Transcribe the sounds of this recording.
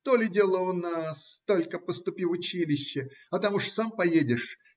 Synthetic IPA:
t̪olʲɪdʲelˠəʊnast̪olʲkəpəst̪ʊpʲifʊt͡ɕilʲɪɕːɪɐt̪amuʂsampɐjedʲɪʂ

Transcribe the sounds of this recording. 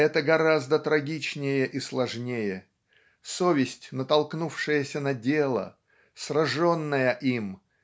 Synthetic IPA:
ɛt̪əɡɐɾazd̪ət̪ɾɐɡʲit͡ɕnʲɪjəʔislˠɐʐnʲejə | sovʲɪsʲtʲnət̪ɐlˠknufʂɨjəsʲənɐdʲelˠə̰ | srɐʐo̞nːəjəʔim

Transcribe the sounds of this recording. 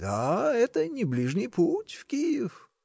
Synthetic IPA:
d̪̥aɛt̪ənʲɪblʲiʐnʲɨjputʲfkʲijɪf

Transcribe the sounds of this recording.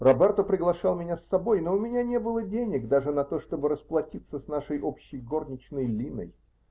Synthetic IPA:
rɐbɛrt̪opɾʲɪɡlˠɐʂɑlˠmʲɪnʲasːɐbojnoʊmʲɪnʲanʲe̞bɨlˠədʲenʲɪkd̪aʐɨnɐt̪o̞ʂt̪o̞bɨɾəsplˠɐtʲit̪səsnaʂəjʔopɕːɪjɡo̞rnʲɪt͡ɕnəjlʲinə̰j

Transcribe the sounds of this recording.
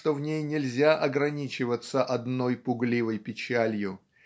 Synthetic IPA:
t̪o̞vnʲejnʲɪlʲzʲaʔɐɡɾɐnʲit͡ɕɪvət̪səʔɐd̪no̞jpʊɡlʲivəjpʲɪt͡ɕælʲjʊ

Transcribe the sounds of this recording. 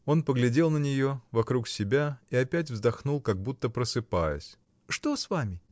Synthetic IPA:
o̞npəɡlʲɪdʲe̞lˠnənʲɪjo̞vɐkɾuksʲɪbʲaiɐpʲæt̬ʲvzd̪ɐxnulˠkɐɡ̚but̪ːəpɾəsɨpajə̰sʲ | ʂt̪o̞svamʲɪ

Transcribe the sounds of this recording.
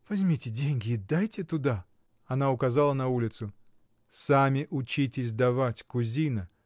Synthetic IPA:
vɐzʲmʲitʲɪdʲenʲɡʲɪːd̪ajtʲɪt̪ʊd̪a | ɐnaʊkɐzalˠənɐulʲɪt̪sʊ | samʲɪʔʊt͡ɕitʲɪsʲd̪ɐvatʲkʊzʲinə

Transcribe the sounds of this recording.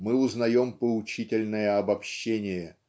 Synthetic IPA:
mɨʊznɐjo̞mpəʊt͡ɕitʲɪlʲnəjəɐbɐpɕːenʲɪjə

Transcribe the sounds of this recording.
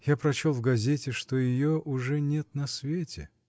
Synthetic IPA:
japɾɐt͡ɕolˠvɡɐzʲetʲɪʂt̪ojɪjoʔʊʐɛnʲet̪̚nɐsvʲetʲɪ

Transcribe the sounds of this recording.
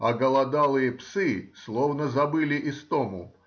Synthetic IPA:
ɐɡəlˠɐd̪alˠɨjəpsɨslˠovnəzɐbɨlʲɪʔɪst̪omʊ̰

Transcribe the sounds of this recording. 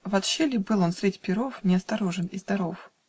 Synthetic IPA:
vɐt̪ɕelʲɪbɨlˠo̞nsɾʲetʲpʲɪɾo̞fnʲɪɐst̪ɐɾoʐɨnɪzd̪ɐɾo̞f

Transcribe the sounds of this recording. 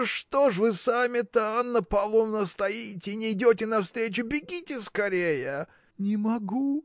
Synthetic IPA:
ʂt̪o̞ʂvɨsamʲɪt̪əanːəpɐlˠomnəst̪ɐjitʲɪnʲɪɪdʲotʲɪnɐfst̪ɾʲet͡ɕʊbʲɪɡʲitʲɪskɐɾʲejə | nʲɪmɐɡu

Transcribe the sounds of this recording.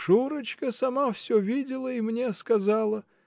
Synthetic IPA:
ʂuɾət͡ɕkəsɐmafsʲovʲidʲɪlˠəimnʲeskɐzalˠə

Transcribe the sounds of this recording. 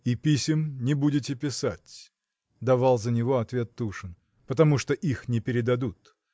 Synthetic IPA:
ipʲisʲɪmnʲɪbudʲɪtʲɪpʲɪsatʲ | d̪ɐvalˠzənʲɪvo̞ɐt̪vʲe̞t̪ːuʂɨn | pət̪ɐmuʂt̪oʔixnʲɪpʲɪɾʲɪd̪ɐd̪ut̪

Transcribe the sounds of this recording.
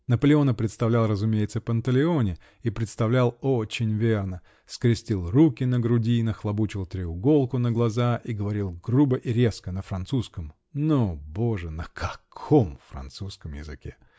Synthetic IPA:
nəpəlʲɪo̞nəpɾʲɪt̪st̪ɐvlʲalˠrəzʊmʲejɪt̪səpənt̪əlʲɪo̞nʲɪ | ipɾʲɪt̪st̪ɐvlʲælˠot͡ɕɪnʲvʲernə | skɾʲɪsʲtʲilˠrukʲɪnəɡɾʊdʲinəxlˠɐbut͡ɕɪlˠt̪ɾʲɪʊɡo̞lˠkʊnəɡlˠɐzaʔiɡəvɐɾʲilˠɡrubəʔiɾʲeskənəfɾɐnt̪suskəm | noboʐɨnəkʰɐkʰomfɾɐ̰nt̪suskəmjɪzɨ̰kʲe

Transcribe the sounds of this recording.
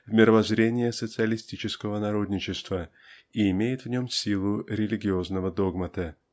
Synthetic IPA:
vmʲɪɾəvɐzɾʲenʲɪjəsət̪sɨəlʲɪsʲtʲit͡ɕɪskəvənɐɾo̞d̪ʲnʲɪt͡ɕɪst̪və | iɪmʲejɪt̪vnʲo̞msʲilˠʊɾʲɪlʲɪɡʲɪo̞znəvəd̪o̞ɡmət̪ə

